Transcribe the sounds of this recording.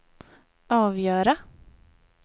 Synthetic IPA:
ʔɑːvjœːɾa

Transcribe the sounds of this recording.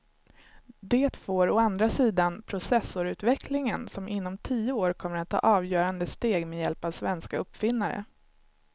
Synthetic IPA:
d̪eːt̪foːɾɔand̪ɾasiːd̪anpʰɾʊsɛsʊɾʉ̟ːt̪vɛkʰlɪŋənsɔmʔɪnːɔmt̪ʰiːəoːɾkʰɔmːəɾat̪ʰːɑ̰ːʔɑːvjœːɾand̪əst̪eːɡmejɛlpavsvɛnskaɵpːfɪnːaɾə̰

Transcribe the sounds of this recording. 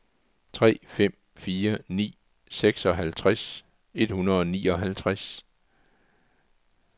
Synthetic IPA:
t͡sʰʁɛ̰ːfem̰ | fiːɐnḭː | seɡ̥sɒ̽ɦælt͡sʰʁas | e̝d̥hunɐðˠɒnḭːɒ̽ɦælt͡sʰʁas

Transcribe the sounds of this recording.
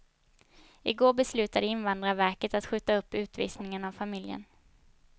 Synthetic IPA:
ɪɡoːbɛslʉ̟ːt̪ad̪əɪnvand̪ɾavæɾkət̪at̪ɧʉ̟ːt̪ːaɵpːʉ̟ːt̪vḭːsnɪŋənavfamɪljə̰n

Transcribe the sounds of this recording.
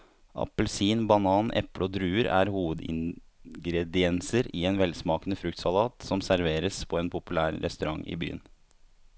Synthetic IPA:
ʔɑ̰pəlsiːnbɑnɑːnɛ̰pləɔd̪ɾʉːəɾæ̰ːɾhuːʋəd̪ɪ̰ŋɡɾɛd̪ɪɛnsəɾɪeːnʋɛlsmɑːkənəfɾʉkt̪sɑlɑːt̪sɔmsæɾʋeːɾəspʰɔɛːnpʰʊpʉlæːɾɾɛ̰st̪ʉɾɑŋːɪ̰by̰ːə̰n

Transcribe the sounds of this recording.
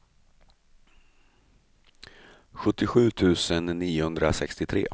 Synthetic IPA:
ɧɵt̪ːɪɧʉ̟ːt̪ʰʉ̟ːsənːiːʊhɵnd̪ɾasɛkst̪ɪt̪ʰɾḛː

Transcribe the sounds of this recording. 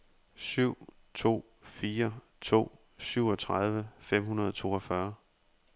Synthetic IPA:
syʊ̰ | t͡sʰo̝̰ː | fiːɐ | t͡sʰo̝̰ː | syʊ̰ɒt͡sʰʁað̞ˠʋəfem̰hunɐðˠɒt͡sʰo̝̰ːɒfɶɐ

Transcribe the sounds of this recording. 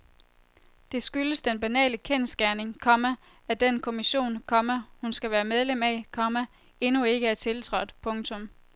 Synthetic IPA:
d̥e̝sɡ̥yləsd̥enb̥ænɛ̰ːləkʰen̰sɡ̥æɐne̝ŋkʰɒ̽mæ | æd̥enkʰo̝miɕo̝̰ːnkʰɒ̽mæhunsɡ̥æʋæːɐmeð̞ˠlemækʰɒ̽mæ | e̝nue̝ɡ̥əæɐt͡sʰe̝lt͡sʰʁɒ̽d̥pʰɔ̽ŋt͡sʰɔ̽m

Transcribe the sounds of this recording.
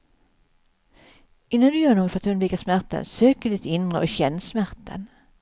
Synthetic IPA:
ʔɪnːand̪ʉjøːnuːɡəfœʁat̪hʉnb̪lɪkəsmæʁt̪ə̰nsøːkəd̪ɪt̪ɪnʁəoɕɛnːəsmæʁt̪ə̰n

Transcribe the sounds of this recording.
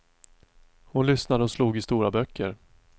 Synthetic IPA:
hʊnlʏsnad̪əɔsluːɡɪst̪uːɾabœkʰːə̰ɾ

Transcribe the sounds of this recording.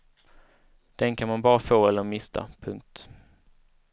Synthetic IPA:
d̪̥ɛnkʰanmanbɑːɾafoːɛlːəɾmɪst̪ʰa̰pʰɵŋk̚t̪

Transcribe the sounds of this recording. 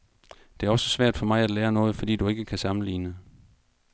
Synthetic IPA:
d̥e̝æɐɒ̽sə̥sʋæɐ̰d̥fɒ̽mɑ̈ɪæd̥leːɐnɔ̽ːð̩ˠfɒ̽d̥ḭːd̥ue̝ɡ̥əkʰæsɑ̈mn̩lḭːnə

